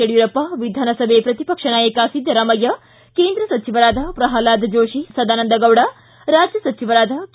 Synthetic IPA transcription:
eɽjuɾɐpɐʋid̪ʱaːnɐsɐbʱepɾɐt̪ipɐkʂɐnaːjeːkaːsid̪ʱjɐɾaːmɐjɐ | keːnd̪ɾɐsɐt͡ʃiʋɐɾaːd̪ʱɐpɾɐɦaːlaːd̪ʱd͡ʒoːʃisɐd̪aːnɐnd̪ɐɡɐwɽɐ | ɾaːd͡ʒjɐsɐt͡ʃiʋɐɾaːd̪ʱɐk

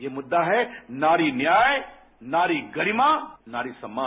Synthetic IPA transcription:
jeːmʊd̪ːaɦɛnaːɾinjaːj | naːɾiɡɐɾimaːnaːɾisɐmːaː

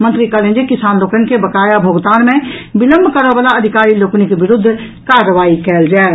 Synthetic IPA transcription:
mə̃nt̪ɾikələ̃nd͡ʒekɪsaːnloːkənkebəkaːjabʱoːɡt̪aːnmẽbɪlə̃mbʱkəɾəbalaɐd̪ʱɪkaːɾiloːkənikeʋɪɾʊd̪ʱː | kaːɾəʋaːikɛːld͡ʒaːe

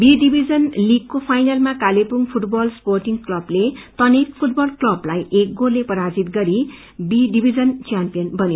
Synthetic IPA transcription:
biɖibʱid͡zʌnliɡ̚kopʰajnalmakalepuŋpʰuʈbʌlsporʈiŋklʌblet̪ʌnekpʰuʈ̚bʌlklʌblajʔek̚ɡorlepʌɾad͡zit̪ɡʌɾi | biɖibʱid͡zʌnt͡sjampijʌnbʱʌne

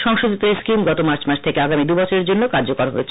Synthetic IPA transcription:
ʃɔŋʃod͡ʑ̪it̪eskimɡɔt̪omaɾt͡ɕmaɾʃʰt̪ʰekeaɡamid̪ubɔt͡ɕʰoɾeɾd͡ʑonːokaɾd͡ʑokoɾaɦo̰et͡ɕʰ

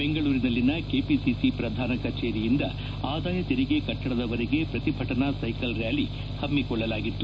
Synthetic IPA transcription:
beŋɡɐɭuːɾinɐlːinɐke̞ːpisisipɾɐd̪ʱaːnɐkɐt͡ʃe̞ːɾijind̪ɐ | aːd̪aːjɐt̪iɾiɡe̞kɐʈːɐɽɐd̪ɐʋɐɾiɡe̞pɾɐt̪ibʱɐʈɐnasɐjkɐlɾjaːli | hɐmːikɔɭːɐlaːɡit̪ːu

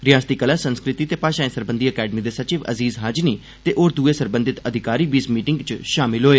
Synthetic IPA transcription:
ɾɪjaːst̪iːkəlaːsənskɾɪt̪iːt̪eːpaːʃãːẽsəɾbənd̪iːəkɛːɖəmiːd̪eːsət͡ʃiːʋə̰ziːzɦəd͡ʒniː | t̪eːʔoːɾd̪uːeːsəɾbənd̪ɪt̪əd̪ʱɪkaːɾiːbiːsmiːʈɪ̃ŋɡt͡ʃʃaːmɪlɦoːeː

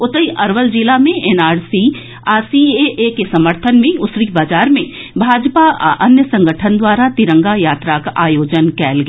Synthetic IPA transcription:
ʊt̪əiʔɐɾʋəld͡ʒilamẽʔeːnaːɾsi | aːsieʔekesɐməɾt̪ʰənmẽʊsɾibaːd͡ʒaːɾmẽ | bʱaːd͡ʒpaʔɐnjəsɐ̃ŋɡəʈʰənd̪waːɾat̪ɪɾə̃ŋɡajaːt̪ɾakaʔaːjoːd͡ʒənkɛːlɡ

